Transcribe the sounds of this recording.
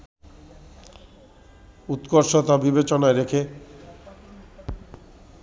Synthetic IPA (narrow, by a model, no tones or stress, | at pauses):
ut̪koɾʃot̪abibet͡ɕonaeɾekʰe